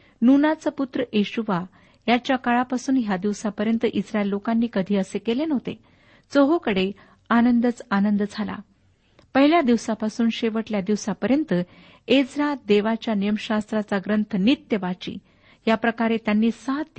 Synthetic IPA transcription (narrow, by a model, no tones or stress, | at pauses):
nunat͡səput̪ɾəʔeɕuʋa | jat͡ɕjakaɭapasuːnɦjad̪iʋsapəɾjənt̪əʔisɾaelːokanːiːkəd̪ʱiːəsekelenəɦot̪ḛ | d͡zoɦokəɽe | anənd̪ət͡sanənd̪d͡zʱala̰ | pəɦiljad̪iʋsapasuːnɕeʋəʈljad̪iʋsapəɾjənt̪ə | ed͡zɾad̪eʋat͡ɕjanijəmɕast̪ɾat͡saɡɾənt̪ʰənit̪jəʋat͡ɕḭː | japɾəkaɾet̪janːiːsat̪